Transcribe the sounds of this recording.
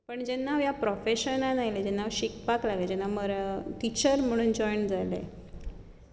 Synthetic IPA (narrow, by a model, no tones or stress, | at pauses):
pəɳd͡ʑɛnːaʋjapɾɔfeɕənanajled͡ʑɛnːaʋɕikpaklaɡed͡ʑɛnːaməɾʈit͡ɕəɾm̤əɽ̃uːnd͡ʑɔjɳd͡zalḛ